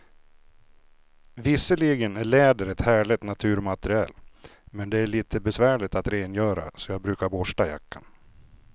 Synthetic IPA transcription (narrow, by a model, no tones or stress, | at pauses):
vɪsːəliɡənæɭɛːd̪əɾɛt̪hæːɭɪt̪nat̪ʰʉ̟ːɾmat̪əɾɪɛ̰ːlmɛnd̪ɛæɭiːt̪ʰəbɛsvæːɭɪt̪at̪ɾeːnjœːɾa̰sɔjɑːɡ̚bɾʉ̟ːkaɾbɔʂʈaja̰kʰːa̰n